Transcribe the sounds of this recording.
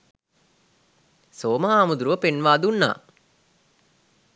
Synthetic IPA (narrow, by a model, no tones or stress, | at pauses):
soːməɦaːmud̪ɾuʋəpenʋaːd̪unːa̰ː